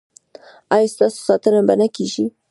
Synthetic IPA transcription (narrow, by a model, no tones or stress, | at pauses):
ɑjst̪ɑso̥sɑt̪ənabanakiʒi